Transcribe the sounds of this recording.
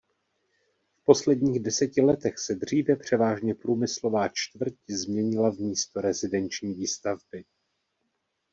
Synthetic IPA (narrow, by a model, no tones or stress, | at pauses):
fpo̞slɛdɲiːɣdɛsɛcɪlɛt̪ɛxsɛd̪r̝̥iːvɛpr̝̥ɛvaːʒɲɛpɾuːmɪslo̞vaːt͡ʃt̪vr̩czmɲɛɲɪlavmiːst̪o̞ɾɛzɪdɛnt͡ʃɲiːviːst̪avbɪ